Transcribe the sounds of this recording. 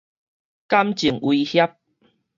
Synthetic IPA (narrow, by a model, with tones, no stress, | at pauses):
ka˦mt͡ɕi˨˩ŋwi˧hja˦p̚